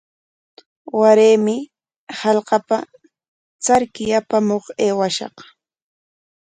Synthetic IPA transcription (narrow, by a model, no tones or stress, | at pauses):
waɾeːmɪ | hɑlqɑpa | t͡saɾkɪjapamoχeːwaʃɑ̰q